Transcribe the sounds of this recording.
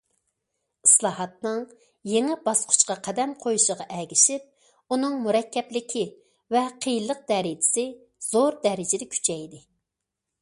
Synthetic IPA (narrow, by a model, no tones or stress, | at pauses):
islˠɑːɦɑt̪̚nɨŋ | jeŋɪbɑsqʰʊ̥t͡ʃqɑqʰɛd̪ɛmqʰojuʃəʁɑʔɛɡʲiʃip̚ | unɨŋmuɾɛkʲːɛplɪkʲʰi | vɛqʰejilˠːəq̚d̪̥ɛɾɪd͡ʒ̪ɪ̥sɪ | z̥oɾd̪ɛɾɪd͡ʒɪd̪ɛkʲʰy̥t͡ʃʰɛjd̪ɪ